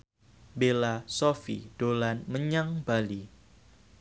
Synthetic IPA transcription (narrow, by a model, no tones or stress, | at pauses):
belasofḭd̥olanməɲaŋbali